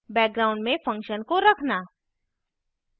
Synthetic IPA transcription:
bɛːk̚ɡɾaːʊ̃ɳɖmẽfɐ̃ŋkʃənkoɾɐkʰnaː

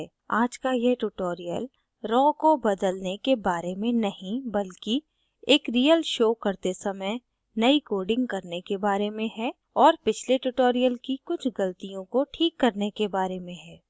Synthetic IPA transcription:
aːd͡ʒkajeʈuʈoːɾijə̰l | ɾɔːkobɐd̪əlnekebaːɾemẽnɐɦĩbɐlki | eːkɾijəlʃoːkɐɾt̪esɐməj | nɐikoːɾɖɪ̃ŋɡ̚kɐɾnekebaːɾemẽɦɛː | ɔːɾpɪt͡ʃʰleʈuʈoːɾijəlkikʊt͡ʃʰɡɐlt̪ijõkoʈʰiːkːɐɾnekebaːɾemẽɦɛː

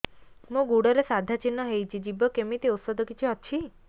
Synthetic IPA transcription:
mũɡuɽɔɾesad̪ʱat͡ʃinːɔɦejt͡ʃʰid͡ʒibɔkemit̪iut̪sɔd̪ʱɔkit͡ʃʰiɔt͡ʃʰi

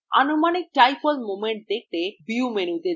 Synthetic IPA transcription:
a̰numanik̚ʈajpolmomeɳʈ̚d̪ek̚ʰt̪ebiumenut̪e

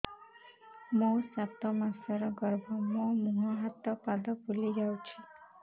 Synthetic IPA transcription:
mosat̪ɔmasɔɾɔɡɔɾbʱɔmomuɦɔɦat̪ɔpad̪ɔpulid͡ʒawt͡ʃʰi

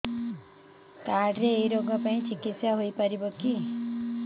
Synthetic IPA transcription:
kaɽɾeːiɾoɡʌpaĩt͡ʃʰikit̪sjaɦojpʌɾiboki

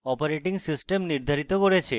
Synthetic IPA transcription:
ɔpoɾeʈiŋsisʈemniɾd̪ʱaɾit̪okoɾet͡ɕʰe

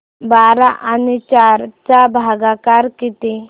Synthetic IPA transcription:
baɾaʔanit͡ɕaɾt͡sabʱaɡakaɾkit̪e

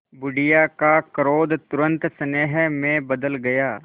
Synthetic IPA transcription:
bʊɖɪjakakəɾoːd̪t̪ʊɾə̃nt̪səneːɦɛmẽbəd̪əlɡɐjaː

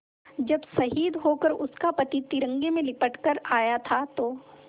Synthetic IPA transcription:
d͡ʒɐbsɐɦiːd̪ɦokəɾʊskapɐt̪it̪ɪɾə̃ŋɡemẽlɪpəʈkɐɾaːjat̪ʰat̪oː

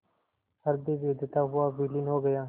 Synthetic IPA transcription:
həɾd̪iːʋeːd̪ɪt̪aːɦʊaːbiːlɪnɦoːɡəjaː

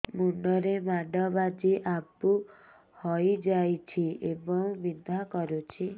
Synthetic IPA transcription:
muɳɖɔɾemaɖɔbad͡ʒiʔapu | hɔjd͡ʒajt͡ʃʰiebɔŋbid̪ʱakɔɾut͡ʃʰi

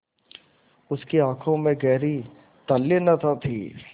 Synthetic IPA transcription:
ʊskeãːkʰõmẽɡɛːɾi | t̪ɐlːenɐt̪ʰat̪ʰḭː

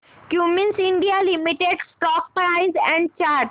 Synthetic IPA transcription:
kjumɪ̃nsĩɳɖialimiʈeɖsʈɔːk̚pɾaɪzɛ̃ɳɖ̚t͡ʃaːɾʈ

